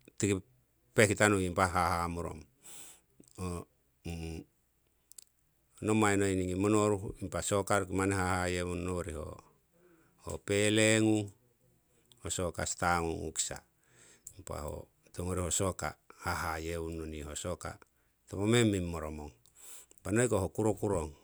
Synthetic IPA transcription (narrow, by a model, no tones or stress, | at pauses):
tiki | pekitanukimpaɦaɦamuɾo̰m | o | nomainoiniŋimonoɾuimpasokaɾukimaneɦahajeunːoɾiɦo̰ | ho̰peleŋu | hosoka̰st̪aŋuŋṵksa̰ | impa̰ho̰ | t̪oŋoɾihosoka̰haɦajeunːonihosoka̰ | t̪opomemimːoɾomoŋ | panojkoɦokuɾokuɾoŋ